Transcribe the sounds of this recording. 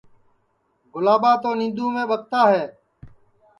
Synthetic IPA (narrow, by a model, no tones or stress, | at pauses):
ɡʊlaːɓaːt̪oːnĩːnd̪uːmẽːɓək̚t̪aːɦɛː